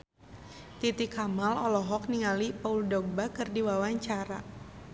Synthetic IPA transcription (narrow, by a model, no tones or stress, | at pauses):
t̪it̪ikamalɔlɔɦɔk̚niŋalipauldɔɡ̚bakərdiwawaɲt͡ʃaɾa̰